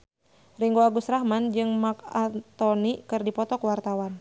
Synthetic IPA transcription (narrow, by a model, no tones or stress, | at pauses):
riŋɡoaɡusrahmand͡ʒɨŋmak̚at̪ɔnikɨrdipɔt̪ɔkuwart̪awan